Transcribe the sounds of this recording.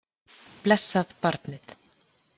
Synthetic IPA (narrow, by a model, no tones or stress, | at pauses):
plɛsːaðpaɾt̪nɪθ